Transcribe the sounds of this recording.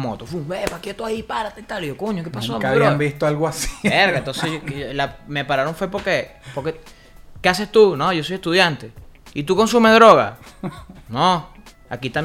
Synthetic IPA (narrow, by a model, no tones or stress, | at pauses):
mo̰t̪ofumbepaket̪oaipaɾat̪eit̪alihokoɲoke̞pasoaβðɾioaɣmbist̪oalɣoasi̥eɾɣaent̪o̞nselamepaɾaɾo̞ɱfwe̞po̞ɾkepoɾke | keas̬e̞st̪uno̞ʝo̞so̞jest̪uðjant̪e̞it̪uko̞nsumeðɾo̞ɣa̰ | no | a̰kit̪am